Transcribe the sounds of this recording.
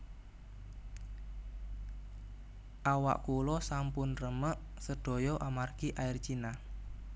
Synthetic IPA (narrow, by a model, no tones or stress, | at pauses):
ʔawa̰ʔkulɔsampʊnrəməʔ | səɖ̥ɔ̤jɔʔamarkiʔaɪrt͡ʃina